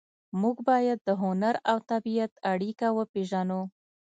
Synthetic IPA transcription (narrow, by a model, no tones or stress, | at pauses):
muɡbɑjad̪̚ːəɦʊnaɾawt̪abijat̪aɽikawəpeʒanu